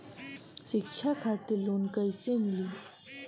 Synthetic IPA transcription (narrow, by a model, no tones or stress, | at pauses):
ɕikt͡ʃʰakʰat̪ilonkəjsemiliː